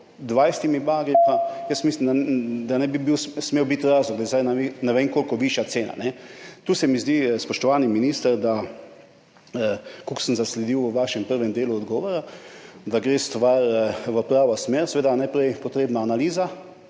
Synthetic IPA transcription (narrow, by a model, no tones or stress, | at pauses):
d̪ʋajst̪imibaɡɾipajəst̪mislimd̪ad̪anɛbibiwsmewbit̪ɾaːzlɔɡd̪ajzajnanɛʋeŋkoːlkɔʋiʃjat̪seːna̰nɛt̪uːsɛmizd̪ispɔʃt̪ɔʋaːniminiːst̪əɾd̪a | əkuksənzaslɛd̪iwəʋaʃɛmpəɾʋɛmd̪eːluɔd̪ɡɔːʋɔɾad̪aɡɾeːst̪ʋaɾʋəpɾaːʋosmeːɾsɛʋeːd̪anajpɾɛjpɔt̪ɾeːbnaːnaliːza